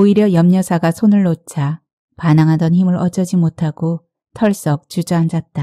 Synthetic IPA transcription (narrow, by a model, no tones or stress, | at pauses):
oiɾjʌjʌmɲʌsʰaɡasʰonɯɭːot͡ɕʰa | panaŋɦadʌnçimɯɾʌd͡ʑʌd͡ʑimotʰaɡ̥o | tʰʌɭs͈ʌk̚t͡ɕud͡ʑʌand͡ʑat̚t͈a